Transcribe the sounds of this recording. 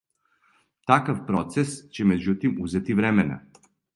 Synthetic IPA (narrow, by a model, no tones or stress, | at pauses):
t̪akafpɾɔt̪sɛst͡ɕɛmɛd͡ʑut̪imuzɛt̪ivɾɛmɛna̰